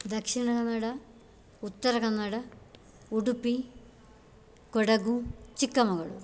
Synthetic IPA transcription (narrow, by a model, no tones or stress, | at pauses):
d̪ɐkʂiɳɐkɐnːɐɽɐ | ut̪ːɐɾɐɣɐnːɐɽɐ | uɽupːi | koɽɐɡut͡ɕikːɐmɐɡɐɭṵ